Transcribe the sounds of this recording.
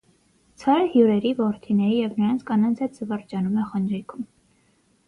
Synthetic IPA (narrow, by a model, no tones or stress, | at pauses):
t͡sʰɑɾəhjuɾɛɾivɔɾt̪ʰinɛɾijɛvnəɾɑnt͡sʰkɑnɑnt͡sʰɛt̪̚d͡zəvɑɾt͡ʃɑnumɛχənɾikʰum